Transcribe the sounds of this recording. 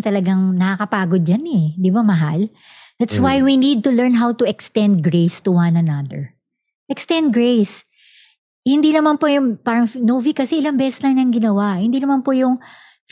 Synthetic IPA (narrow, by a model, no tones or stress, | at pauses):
t̪ɐlɐɡaŋnɐkakɐpaːɡod̪̚d͡ʒanɛd̪ɪbamɐɦal | d̪̥at̪swajwinid̪̚t̪ʊlɛɹnɦawt̪ʊɛkst̪ɛnd̪̚ɡɹejst̪ʊwanɐnɐd̪ə̰ɹ | ʔɛkst̪ɛ̃nd̪̚ɡɹejs | hɪnd̪inɐmanpojʊŋpaːɾɐŋnowvikɐsɛɪlɐŋbɛːsɛslɐŋɲɐŋɡɪnɐwaʔhɪnd̪iːnɐmanpojʊŋ